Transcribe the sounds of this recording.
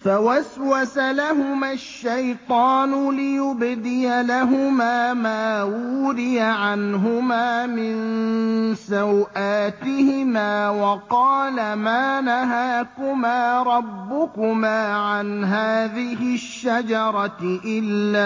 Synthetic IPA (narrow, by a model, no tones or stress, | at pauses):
fawaswasalaɦʊmaʃːajt̪ˤɑːnʊlɪjʊbd̪ɪjalaɦʊmaːmaːwuːɾɪjaʕanɦʊmaːmɪn | sawʔaːt̪ɪhɪmaːwɑqɑːlamaːnaɦaːkʊmaːɾˤɑbːʊkʊmaːʕanɦaːðɪhɪʃːad͡ʒɑɾˤɑʔɪlːaː